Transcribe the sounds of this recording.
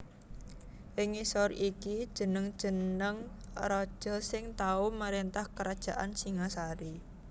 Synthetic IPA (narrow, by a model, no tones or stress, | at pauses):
ʔɪŋisɔrikid̥ʒ̥ə̤nəŋd̥ʒ̥ə̤nnnəŋ | rɔd̥ʒ̥əsɪŋt̪aumaɾent̪ahkəɾad̥ʒ̥a̤ʔa̰nsiŋasaɾi